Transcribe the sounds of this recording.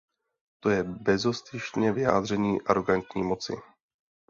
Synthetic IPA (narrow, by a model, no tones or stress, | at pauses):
t̪o̞jɛbɛzo̞st̪ɪʃɲɛvɪja̰ːd̪r̝ɛɲiːʔaɾo̞ɡant̪ɲiːmo̞t͡sɪ̰